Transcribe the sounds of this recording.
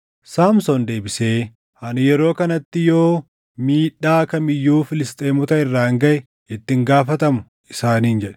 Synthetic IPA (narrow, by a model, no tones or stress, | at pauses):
saːmsɔnd̪e̞ːbɪse̞ː | hɐnjɛɾo̞ːkɐnɐt̪ːɪjo̞ː | miːᶑaːkɐmɪjːuːfɪlɪst̪ʼeːmɔt̪ɐɪrːaːŋɡɐʔɛ | ɪt̪ːɪŋɡaːfɐt̪ɐmʊ | ɪsaːniːnd͡ʒɛᶑɛ̥